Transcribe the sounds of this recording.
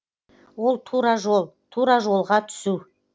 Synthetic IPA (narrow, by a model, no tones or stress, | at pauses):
wo̞lˠt̪ʰuɾɑʒolˠt̪ʰuɾɑʒo̞lˠʁɑt̪ʰʏ̥su